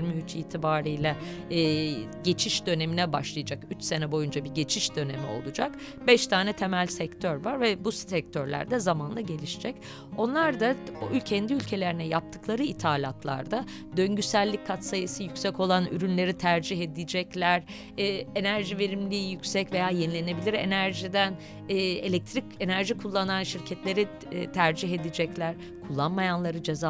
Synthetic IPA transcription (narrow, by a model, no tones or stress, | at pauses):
ɾmiyt͡ʃiːt̪ʰibaːɾijlʲɛ | ɟe̞t͡ʃʰiʃd̪ø̞ne̞minɛbaʃlˠajad͡ʒakyt͡ʃse̞nɛbo̞jund͡ʒabiɟe̞t͡ʃʰiʃd̪ø̞nemio̞̰lˠud͡ʒak | bɛʃt̪ʰaːnɛt̪ʰe̞mælʲsɛct̪ʰøɾvaɾvɛbusɛc̚t̪ʰøɾlʲæ̰ɾd̪ɛzamanlˠaɟe̞lʲiʃid͡ʒɛc | o̞nlˠaɾd̪acʰɛnd̪iylʲcʰe̞lʲe̞ɾinɛjap̚t̪ʰɯ̥klˠaɾɯit̪ʰaːlʲat̪ʰlˠa̰ɾd̪a | d̪ø̞ɲɟysælʲːic̚ʰkʰːat̪sajisijycʲsɛco̞lˠany̰ɾynlʲe̞ɾit̪ʰæɾd͡ʒiɦe̞d̪id͡ʒɛclʲæɾ | ɛːenæɾʒive̞ɾimlʲiːjycsɛcve̞jaːjenlʲe̞ne̞bilʲiɾe̞̰næɾʒid̪æn | ɛːe̞lʲɛc̚t̪ʰɾice̞næɾʒikʰulˠːananʃiɾcʰɛt̪lʲe̞ɾi | t̪ʰæɾd͡ʒiɦe̞d̪id͡ʒɛclʲæɾ̥ | kʰulˠːanmajanlˠaɾɯd͡ʒeza